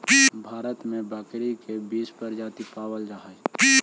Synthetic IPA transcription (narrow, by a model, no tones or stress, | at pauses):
ibʱaːɾət̪mẽbaːkɾikebiːspəɾd͡ʒaːt̪ipaːwəld͡ʒaːɦə